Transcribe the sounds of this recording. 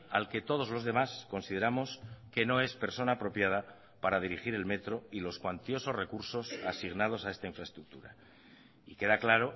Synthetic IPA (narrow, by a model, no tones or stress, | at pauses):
a̰lke̞t̪o̞ð̞o̞zlo̞zðe̞masko̞nsiðe̞ɾamo̞ske̞no̞e̞spe̞ɾso̞naːpɾo̞pjað̞a | paɾað̞iɾixiɾe̞lme̞t̪ɾo̞ilo̞skwant̪jo̞so̞zre̞kuɾso̞sasiɣnað̞o̞sae̞st̪aiɱfɾae̞st̪ɾuk̚t̪uɾa̰ | ike̞ðaklaɾo̞